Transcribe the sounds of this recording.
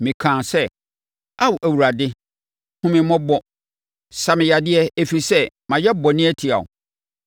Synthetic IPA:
mɪ̃˨kʰãː˨sɛ˦ | a˦wʔæ˨wu˨ɾa˨dɪ˦ | hʊ̃˦mɪ̃˦mɔ̃˦bɔ˦ | sa˨mɪ̃˨ja˨dɪ˦ɛ˦e˨fi˨sɛ˦ | mã˨jɛ˦bɔ˨nɪ̃˦ɛ˦tʰi˨a̰˨ʊ̰˨

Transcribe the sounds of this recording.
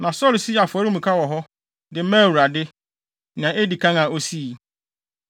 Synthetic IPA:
nã˨sɔ˦ɾsi˦˨a˨fɔ˨˦ɾɪ˦mũ˨kʰa˦wɔ˨ɦɔ˦ | dɪ˨˦mɛ̃˦˨wu˨ɾa˨dɪ˦ | nã˨ʔe˦di˨kʰã˦ŋã˨o˦si˦˨

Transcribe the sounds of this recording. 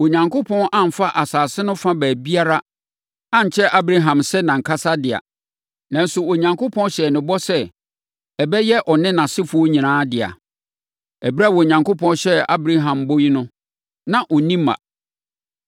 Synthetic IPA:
o˨ɲã˨ŋkʰo˦pʰɔ̃˦nʔã˦˨m̩˨fa˦ʔa˨saː˨sɪ˦nʊ̃˦fã˦bæː˨bi˦a˦ɾa˦ | ã˦ɲ̩˨t͡ɕʰɛ˦ʔa˦bɾa˦ɦã˨msɛ˦nã˨ŋ̩˨kʰa˦sa˦dɪ˨a̰˨ | nã˨n̩˦sʊ˨o˨ɲã˨ŋko˦pʰɔ̃˦nɕɛ˨nɪ̃˨bɔ˦sɛ˦ | ɛ˨bɛ˦jɛ˦ʔɔ˨nɪ̃˦nã˨sɪ˦fʊ˨ɔ˦ɲĩ˨nãː˨˦dɪ˨a̰˨ | ɛ˨bɾa˦˨wɔ˨ɲã˨ŋkʰo˦pʰɔ̃˦n˦ɕɛ˦a˦bɾa˦ɦã˨mbo˦ji˦nʊ̃˦ | nã˨ʔɔ˨nĩ˦mã̰˨

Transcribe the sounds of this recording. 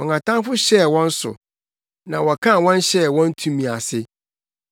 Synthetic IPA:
ɔ̃˨ŋka˨tʰã˦ŋfʊ˦ɕɛ˦˨wɔ̃˦n̩˦sʊ̰˨ | nã˨wɔ˨kʰã˦˨wɔ̃˦n˦ɕɛ˦˨wɔ̃˦n˦tʰũ˦mĩ˨a˨sɪ˦

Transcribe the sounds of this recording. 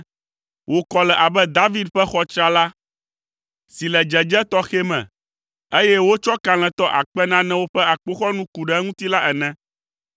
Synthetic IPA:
wʔo˨kɔ˨lɛ˨ʔa˨bɛ˦d̪a˦vi˦d̪ɸɛ˦xɔ˦t͡ʃɾa˦la˦ | si˨lɛ˨d͡ʒɛ˨d͡ʒɛ˦t̪ɔ˦xe˦mɛ̰̃˨ | e˦jɛ˦wo˦t͡ʃɔ˦ka˨l̃ɛ̃˨t̪ɔ˦ʔa̰˨k͡pɛ˦nã˦nɛ̃˦wo˦ɸɛ˦a˨k͡po˦xɔ˦nũ˦ku˨ɖɛ˨˦ŋũ˦t̪i˦la˦ʔɛ˨nɛ̃˦

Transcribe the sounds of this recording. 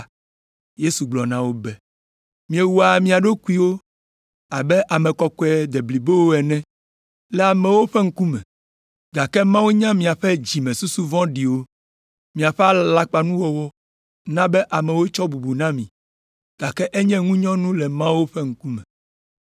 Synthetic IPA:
je˦su˨ɡ͡blɔ˨nã˦wo˦bɛ˦ | mĩ˨e˨wu˦a˨mĩ˦a˨ɖo˦ku˦i˦wo˦ | a˨bɛ˦ʔa˨mɛ̃˨kɔ˨kɔ˦ɛ˨d̪e˨bli˨be˦wo˦ɛ˨nɛ̃˦ | lɛ˨a˨mɛ̃˨wo˦ɸe˦ŋ̩˦ku˦mɛ̰̃˨ | ɡa˨kɛ˦mã˦wu˦ɲã˦mĩ˨a˨ɸɛ˦d͡ʑi˨mɛ̃˨su˦su˦vɔ̃˦ɖi˨wo˦ | mĩ˨a˨ɸɛ˦a˦la˦k͡pa˨nũ˦wɔ˦wɔ˦ | nã˦bɛ˦ʔa˨mɛ̃˨wo˦t͡ʃɔ˦bu˨bu˨nã˦mĩ˨ | ɡ̥a˨kɛ˦ʔe˦ɲɛ̃˦ŋũ˦ɲɔ̃˦nũ˦lɛ˨mã˦wo˦ɸɛ˦ŋ̩˦ku˦mɛ̃˨

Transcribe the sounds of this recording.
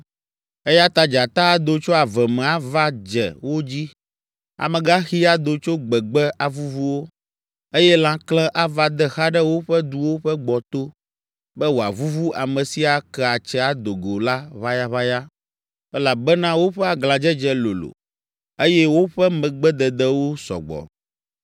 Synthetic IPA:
ɛ˦ja˦t̪a˦d͡ʒa˨t̪a˦a˦d̪o˨t͡ʃo˦a˨vɛ˨mɛ̃˨a˦va˦d͡ʒɛ̰˨wo˦d͡ʑi˦ | a̰˨mɛ̃˨ɡa˦xi˦a˦d̪o˨t͡ʃo˦ɡ͡bɛ˨ɡ͡bɛ˦ʔa˨vu˦vu˦wo˦ | e˦jɛ˦lã˨˦klɛ̃˦ʔa˦va˦d̪ɛ˦xa˦ɖɛ˦wo˦ɸɛ˦d̪u˦wo˦ɸɛ˦ɡ͡bɔ˨t̪o˦ | bɛ˦wo˨a˨vu˦vu˦ʔa˨mɛ̃˨si˦a˨kɛ˦a˨t͡ʃɛ˦a˨d̪o˨ɡo˨la˦βa˦ja˦βa˦ja˦ | ɛ˦la˨bɛ˦nã˦wo˦ɸɛ˦a˨ɡla˨d͡ʒɛ˦d͡ʒɛ˦lo̰˨lo̰˨ | e˦jɛ˦wo˦ɸɛ˦mɛ̃˨ɡ͡bɛ˦d̪ɛ˨d̪ɛ˦wo˦sɔ̰˨ɡ͡bɔ̰˨

